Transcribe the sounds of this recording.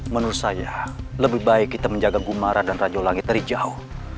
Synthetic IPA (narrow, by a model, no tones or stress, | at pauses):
mənuɾʊt̪sajaləbɪhbaɪkːit̪aməɲd͡ʒaɡaɡumaɾadanrad͡ʒalaŋɪt̪ɾid͡ʒao